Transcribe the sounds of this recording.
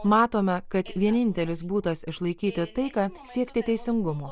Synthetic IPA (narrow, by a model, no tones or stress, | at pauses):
mɑːt̪oːmʲɛkɐt̪ʋʲiɛnʲɪnʲt̪ʲɛlʲɪs̬buːt̪ɐsɪʃlˠɐɪkʲiːt̪ʲɪt̪ɐɪkɑːsʲiɛkt̪ʲɪt̪ʲɛɪsʲɪŋɡʊmoː